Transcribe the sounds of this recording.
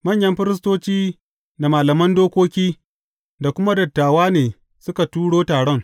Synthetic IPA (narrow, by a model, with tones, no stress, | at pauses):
mɐ˦˨ɲjɐ˦mɸɪ˦ɾɪ˦s̬toː˦t͡ʃiː˦ | na˨maː˨lɐ˨mɐ˦ndoː˦kʷoː˦kʲiː˦ | da˨kʷʊ˦ma˦dɐ˨tːaː˨waː˦neː˨ | sʊ˦ka˨tuː˦ɽoː˦taː˨ɽɔ˦ŋ